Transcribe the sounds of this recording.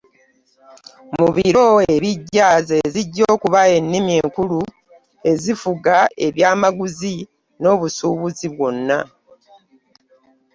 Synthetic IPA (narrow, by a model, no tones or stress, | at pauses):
muβiɾo̞e̞βiɟːaːze̞ziɟːo̞ːkuβae̞nːimie̞ːŋkulu | e̞zifuɡae̞βjaːmaɡuzi | no̞ːβusuːβuziβwo̞nːa̰